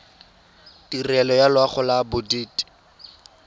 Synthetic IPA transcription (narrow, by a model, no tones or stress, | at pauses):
tirɛlɔjalwaχʊlabʊdiːti̥